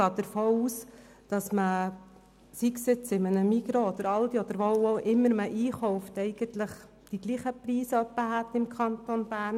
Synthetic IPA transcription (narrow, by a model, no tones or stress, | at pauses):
ɡ̥ɑːd̪əɾfoːuːs | d̥ɑsmə | siksɪt͡sɪmənəmiɡɾoɔd̪əɾɑld̪iɔd̥̪əɾʋowowʔɪmːəɾməʔiːχɔʊft̪ɛɪɡ̥ənt̪ləχ | d̪̥iɡ̥liːχəpɾiːsəœpːəɦæt̪ːɪmkʰχɑnt̪onb̥æːrn